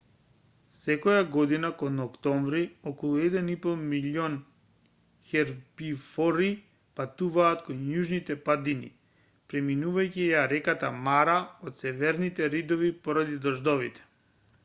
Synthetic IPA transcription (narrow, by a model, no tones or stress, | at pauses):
sɛkɔjaɡɔd̪inakonɔkt̪ɔɱvɾiɔkɔlˠuɛd̪ɛnipɔlˠmilɔn | xɛɾbifɔɾi | pat̪uvaːt̪konjuʒnit̪ɛpad̪inḭ | pɾɛminuvajciɛaɾɛkat̪amaɾaot̪sɛvɛɾnit̪ɛɾid̪ɔvipɔɾad̪id̪ɔʒd̪ɔvit̪ɛ̥